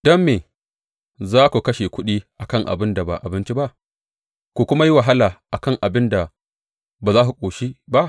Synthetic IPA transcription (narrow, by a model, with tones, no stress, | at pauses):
d̥ɔ˦mːeː˨ | zaː˦kʷu˨kɐ˦ʃe˨kʷʊ˦ɗiː˦ʔa˨kɐ˦ŋʔa̰˨bɪ˦nda˨ba̰˨ʔa˨bɪ˦nt͡ʃi˦ba˦ʔ | kʷu˨kʷʊ˦ma˦ji˦wa˨ɦa˦laː˨ʔa˨kɐ˦˨ŋʔa˨bɪ˦nda˨ | baː˨zaː˦hu˨kʷʼoː˨ʃi˦ba˦ʔ